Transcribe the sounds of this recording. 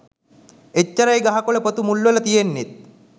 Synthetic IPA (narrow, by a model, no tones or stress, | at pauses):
et͡ɕːɐɾajɡaɦakoɭepət̪umulːʋelɐt̪ijenːet̪̚